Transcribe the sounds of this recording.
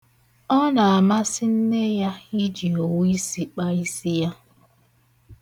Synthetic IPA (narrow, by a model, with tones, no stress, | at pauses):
ɔ˦na˨a˨ma˦sɪ˦n̩˦ne˦ja˦i˦d͡ʒi˨o˨wi˦si˦k͡pa˦i˦si˦ja˦